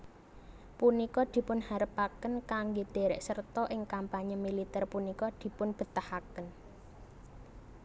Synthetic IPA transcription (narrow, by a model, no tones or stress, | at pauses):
punikɔd̪̥i̤pʊnhaɾəpakənkaŋɡed̪̥e̤ɾɛʔsərt̪ɔʔɪŋkampaɲəmilit̪ɛrpunikɔd̪̥i̤pʊnb̥ə̤t̪ahakən